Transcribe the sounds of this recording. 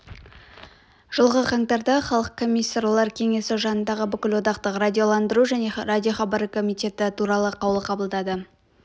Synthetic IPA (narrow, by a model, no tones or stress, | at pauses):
ʒ̥əlˠʁəqʰɑŋt̪ɑɾd̪ɑχɑlˠəq̚kʰo̞mʲijsːaɾlˠɑɾkʲʰe̞ŋe̞sɪʒɑnənd̪ɑʁəbʏkʲɪlwo̞d̪ɑqt̪əqradʲio̞lˠɑnd̪əɾuʒæne̞radʲio̞χɑbɑɾəkʰo̞mijt̪ʲe̞t̪ɪt̪ʰuɾɑlˠəqʰɑwəlˠəqʰɑbəlˠd̪ɑd̪ə